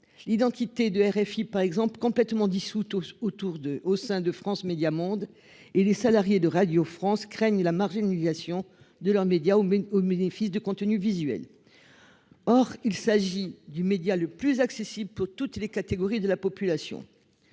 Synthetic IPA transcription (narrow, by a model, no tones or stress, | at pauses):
lid̪ɑ̃t̪it̪ed̪əɛʁɛfipaʁɛɡzɑ̃plkɔ̃plɛt̪mɑ̃d̪isut̪ot̪uʁosɛ̃d̪əfχɑ̃smed̪jamɔ̃d̪ | elesalaʁjed̪əʁad̪jofχɑ̃skχɛɲlamaʁʒinliizasjɔ̃ | d̪əlœʁmed̪jaoobenefisd̪əkɔ̃t̪ənyvizɥɛ̰l | ɔʁilsaʒid̪ymed̪jaləplyzaksesibləpuʁt̪ut̪lekat̪eɡɔʁid̪əlapɔpylasjɔ̰̃